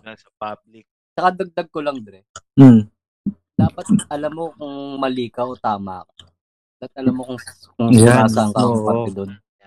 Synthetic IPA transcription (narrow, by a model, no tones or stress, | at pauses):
nasɐpab̚lɪk̚ | t͡ʃɐkad̪ɐɡ̚d̪ɐɡ̚kolɐŋd̪ɾɛm̩ | d̪̥aːpɐt̪̚ʔɐlamːokʊŋmɐliːkɐʔot̪aːma̰ko̥ | aɐt̪̚ʔɐlamːokʊŋ | kʊŋaaːsaɐŋkɐkːoʔpɐt̪ɛd̪on